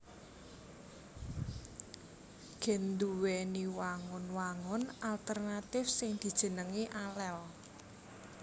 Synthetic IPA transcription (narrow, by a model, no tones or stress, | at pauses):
ɡ̥ɛ̤nd̪uwɛniwaŋʊnwaŋʊnalt̪ərnat̪ɪfsɪŋd̪̥i̤d̥ʒ̥ə̤nəŋeʔalɛl